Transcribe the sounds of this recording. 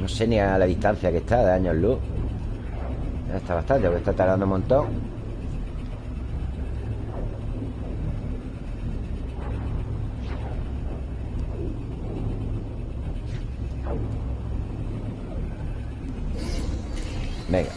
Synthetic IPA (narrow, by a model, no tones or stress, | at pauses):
noseniaalaðiht̪an̟θjakeht̪aðeaɲollu | et̪aβaht̪ant̪epoɾket̪at̪aɾðand̪omõnt̪õŋ | bẽŋɡa